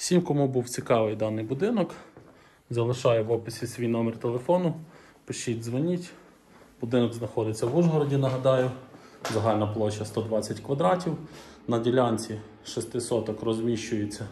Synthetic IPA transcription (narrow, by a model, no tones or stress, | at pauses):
sʲimʲkɔmubuwt͡sʲikɑʋɪjd̪ɑnɪjbʊd̪ɪnɔk | zɐlˠɪʃɑjɛʋɔpɪsʲisʲʋʲijnɔmert̪elˠefɔnʊ | pɪʃitʲzʋɔnʲitʲ | bʊd̪ɪnɔɡznɐxɔd̪ɪt͡sʲːɐʋuʒɦɔɾɔdʲinɐɦɐd̪ɑjʊ | zɐɦɑlʲnɐplˠɔt͡ʃːɐst̪ɔd̪ʋɑt͡sʲːɐtʲkʋɐd̪ɾɑtʲiwnɐdʲilʲɑnʲt͡sʲi | ʃɔst̪ɪsɔt̪ɔkrɔzmʲiʃt͡ʃʊjet͡sʲːɐ